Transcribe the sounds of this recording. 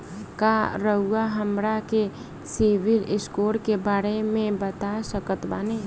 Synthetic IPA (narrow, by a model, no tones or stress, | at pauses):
kaɾəɦuaɦəmɾake | siʋɪlɪskoːɾkebaːɾemẽbət̪asəkət̪baːne